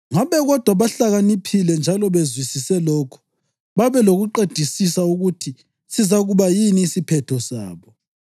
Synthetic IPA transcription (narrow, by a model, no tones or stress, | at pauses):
ŋaβɛɣɔd̥ʱwaβaɬaɣanipʰilɛnd͡ʒʱalɔβezwisisɛlɔkʰɔ̥ | βaβɛloɣuǃed̥ʱisisauɣutʰi | sizaɣuβajiniːsipʰɛtʰɔsa̰ːβɔ